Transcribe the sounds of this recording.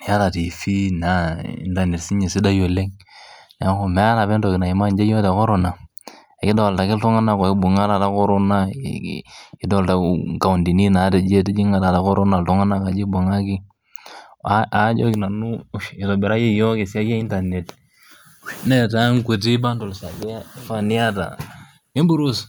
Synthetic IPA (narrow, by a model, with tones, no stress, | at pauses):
ja˦ta˨ti˨fi˦na˨˦ḭ˦nda˨ne˨tsi˦ɲe˨si˦da˦jo˨le˦ŋna˨˦ko˨mɛ˦a˦la˨bɛ˦ndɔ˨kna˨i˨ma˦nd͡ʒe˦jo˦te˨ko˦ɾo˨na˨ | ɛ˨kɪ˦do˦˨lta˨kɪ˦ltɔ˦ŋa˦na˦˨kɔ˨ɪ˦bu˨ŋa˦la˨ta˦ko˦ɾo˦na̰˦ | ɪ˨˦dɔ˦˨lta̰˨ka˨u˨ndi˨ni˦na˨˦te˨d͡ʒe˦te˦d͡ʒi˦ŋa˦ta˨ta˦ko˦ɾo˦na˨ltɔ˨˦ŋa˦na˦˨ka˨d͡ʒi˦bu˨ŋa˦ki˦ | a˨˦d͡ʒo˦ki˨na˨nu˦ʃɪ˨to˨bɛ˨ɾa˦je˦jɔ˦ke˨sa˦ke˦i˦nta˨ne˨t | ne˦ta˦ŋku˨t̬i˦ba˦ndo˨lsa˨ke˦fa˦ni˦a˦ta̰˨ | i˦bu˨˦ɾu˦s